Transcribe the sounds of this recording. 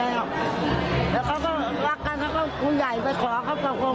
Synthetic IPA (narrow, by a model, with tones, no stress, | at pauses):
ɛː˧˩w | lɛː˦˧˩wkʰa˦˥wkɔː˥˩ɾa˦˥˩kːa˧nkʰa˦˥wkɔː˥˩kuː˧ja˨˩jpa˧jkʰɔː˨˦kʰa˦˥˩wka˨˩ko˧